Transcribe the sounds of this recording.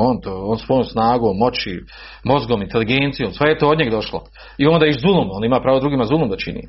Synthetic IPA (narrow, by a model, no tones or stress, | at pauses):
ont̪ooːnsʋojomsnaːɡoːmːo̞t͡ɕi | mo̞zɡoːmint̪e̞liɡent̪sijoːmsʋejet̪ood̪ɲeɡd̪o̞ʃlo̰ | io̞nd̪aːiʃzulˠumoːnimaːpɾaːʋod̪ɾuɡiːmazulˠumd̪at͡ʃḭnḭː